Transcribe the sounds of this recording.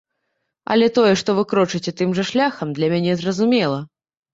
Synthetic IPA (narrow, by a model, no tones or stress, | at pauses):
ɐ̰lʲɛt̪ɔjɛʂt̪ɔvɨkɾɔt͡ʂɨt͡sʲɛt̪ɨmʐɐʂlʲaxɐmd̪lʲɐmʲanʲɛzrɐzumʲɛlˠɐ